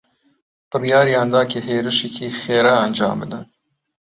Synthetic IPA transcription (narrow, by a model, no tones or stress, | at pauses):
b̥ɨrijɑːɾijɑːnd̪ɑːkeheːɾɨʃekʰiːxeːɾaːnd͡ʒɑ̰ːmbɨd̪ɨn